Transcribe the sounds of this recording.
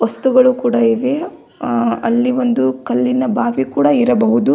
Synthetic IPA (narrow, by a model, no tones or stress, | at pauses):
ʋɐst̪uɡɐɭukuːɽɐiʋe | ɐlːio̞nd̪ukɐlːinɐbʱaːʋikuːɽɐiɾɐbɐɦud̪u